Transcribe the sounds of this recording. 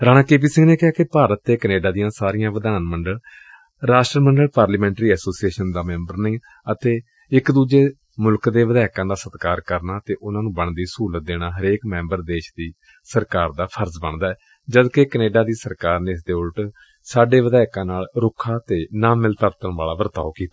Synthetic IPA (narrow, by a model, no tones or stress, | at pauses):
ɾaːñaːkeːp̬iːsɪ̃ŋɡneːkɪɦaːkɪpaːɾət̪ːeːkəneːɖaːd̪ijãːsaːɾɪjãːʋəd̪aːnməɳɖəl | ɾaːsʈɾəməɳɖəlpaːɾləːmɛ̃ːɳʈɾiːɛːsoːsieːʃənd̪aːmɛ̃ːmbəɾnĩː | ət̪eː | ɪkd̪uːd͡ʒeː | mʊlkd̪eːʋəd̪aːɪkãːd̪aːsət̪kaːɾkəɾnaːt̪eːʔʊnãːnũːbəɳd̪iːsuːlət̪̚d̪eːnaːɦəɾeːkmɛ̃ːmbəɾd̪eːʃd̪iː | səɾkaːɾd̪aːpʰəɾzbəɳd̪aːɛː | d͡ʒəd̪kekəneːɖaːd̪iːsəɾkaːɾneːɪs̬d̪eːʊlʈ | saːɖeːʋəd̪aːɪkãːnaːlɾʊkʰːaːt̪eːnaːmɪlt̪əɾt̪əɳʋaːlaːʋəɾt̪a̰ːʋkiːt̪a